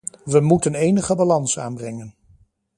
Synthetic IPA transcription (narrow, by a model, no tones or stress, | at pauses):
ʋəmutənejnəχəbalɑnsa̰ːnbrɛŋən